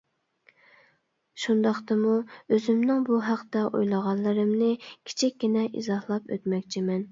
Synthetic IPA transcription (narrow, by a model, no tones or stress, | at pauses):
ʃund̪ɑχt̪ɨmuøzɪmnɪŋbuɦæqt̪ɛʔṵjlˠəʁɑnlːˠɨɾɨmnɨkʲʰi̥t͡ʃʰikʲɡʲinɛʔḭzɑhlˠɑpø̰t̪mɛkʲt͡ʃʰimɛn